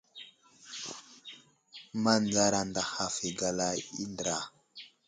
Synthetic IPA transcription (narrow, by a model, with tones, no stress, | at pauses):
ma˦nd͡za˦ɾa˨nda˨ha˨fi˨ɡa˨la˦i˦ndɾa˨